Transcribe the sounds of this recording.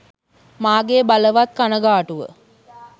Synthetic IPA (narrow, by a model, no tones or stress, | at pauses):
maːɡeːbaləʋat̪̚kanəɡaːʈuʋə̰